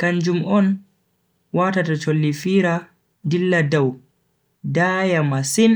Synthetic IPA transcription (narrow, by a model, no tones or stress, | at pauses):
kaɲd͡ʒumɔn | waːtatat͡ʃolːifiːɾa | dilːadaw | dajamasin